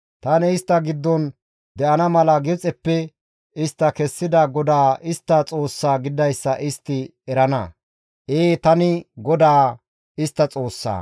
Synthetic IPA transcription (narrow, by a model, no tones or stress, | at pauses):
t̪ɐnɛɪst̪ːɐɡɪd̪ːɔn | d̪ɛʔɐnɐmɐlɐɡɪt͡sʼɛpːɛ | ɪst̪ːɐkɛsːɪd̪ɐɡɔd̪aːʔɪst̪ːɐt͡sʼo̞ːsːaːɡɪd̪ɐjsːɐʔɪst̪ːɪɛɾɐnɐ | ʔeːt̪ɐnɪɡɔd̪aː | ɪst̪ːɐt͡sʼo̞ːsːa̰ː